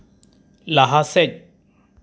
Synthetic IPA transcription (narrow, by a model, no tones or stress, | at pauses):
laɦasɛc̚